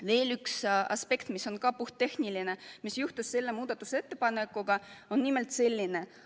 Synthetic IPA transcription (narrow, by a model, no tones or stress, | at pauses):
ve̞ːlyksɑ̰spe̞kt̪miso̞nkɑpuht̪ːe̞hniline̞misjuht̪esːe̞lːe̞muːd̪̥ɑt̪ːˑuse̞t̪ːe̞pɑnekːˑuɡ̥ɑo̞nːime̞lt̪se̞lʲːine̞